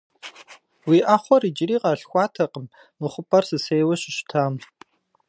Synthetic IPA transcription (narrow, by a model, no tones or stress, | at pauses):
wiːʔaχʷɔrid͡ʒɪriːqɐɬxʷɑːtʰɐqəm | mɨχʷʊpʰʼɐrsɨsejwɐɕɪɕtʰaːm